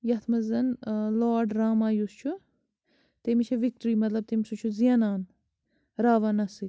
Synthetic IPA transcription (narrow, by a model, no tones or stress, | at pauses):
jɐt̪ʰmɐzɐnloːɖɾaːmaːjust͡ʃʰu | t̪emiʃʰɐʋik̚ʈɾiːmɐt̪lɐb̚t̪imisut͡ʃʰuziɐnaːn | ɾaːʋɐnɐsi